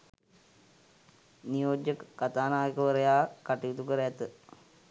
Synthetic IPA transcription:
nijoːd͡ʒjəkkːat̪aːnaːjkəʋəɾɐjaːkaʈijut̪ukəɾeat̪ə

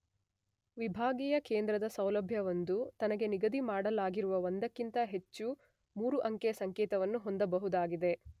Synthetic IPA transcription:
ʋibʱaːɡiːjɐkeːnd̪ɾɐd̪ɐsɐwlɐbʱjɐʋond̪ut̪ɐnɐɡe̞niɡɐd̪imaːɽɐlaːɡiɾuʋɐʋond̪ɐkːint̪ɐɦe̞t͡ʃːu | muːɾuʔɐŋkɛjɐsɐŋkeːt̪ɐʋɐnːuɦo̞nd̪ɐbɐɦud̪aːɡid̪e̞

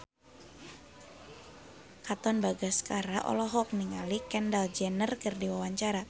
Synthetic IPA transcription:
kat̪ɔnbaɡaskaɾaʔɔ̰lɔɦɔk̚niŋalikɛndald͡ʒɛnərkɨrdiwawaɲt͡ʃaɾa

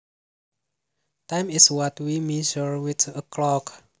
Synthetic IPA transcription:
tãjmɪswɔtwimed͡ʒɔɹwɪt̪ʰəklɔk

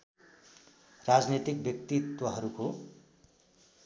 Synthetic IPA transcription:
rad͡znet̪ik̚bjʌk̚t̪it̪wʌɦʌɾuko

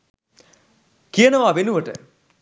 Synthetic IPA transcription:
kijənəʋaʋenuʋəʈə̰

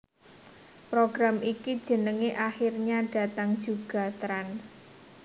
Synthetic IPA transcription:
pɾoɡɾamikid̥ʒ̥ə̤nəŋeʔaxirɲaɖ̥ä̤t̪aŋd̥d͡ʒuɡ̥a̤t̪ɾans

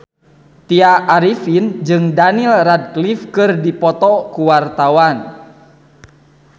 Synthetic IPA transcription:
t̪iaʔːɾifind͡ʒɨŋdanilrad̚klifkɨrdipɔt̪ɔkuwart̪awan

